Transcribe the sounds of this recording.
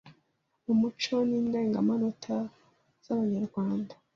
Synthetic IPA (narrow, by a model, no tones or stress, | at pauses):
umut͡ʃoniːndeːŋɡa̰manotʰa | z̥aβaɲaɾɡwaːnda